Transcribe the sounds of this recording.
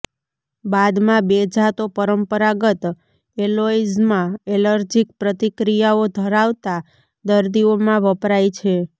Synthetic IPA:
bad̪mãbed͡ʒʱat̪opəɾəmpəɾaɡət̪ | eloizmãeləɾd͡ʒik̚pɾət̪ikɾijaod̪ʱəɾaʋt̪a | d̪əɾd̪iomãʋəpɾajt͡ʃʰe

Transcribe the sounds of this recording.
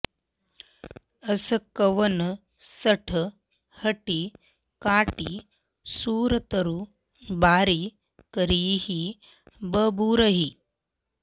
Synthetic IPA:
ɐsɐkɐʋɐnɐ | sɐʈʰɐ | hɐʈi | kaːʈi | suːɾɐt̪ɐɾu | baːɾi | kɐɾiːhi | bəbuːɾɐɦi

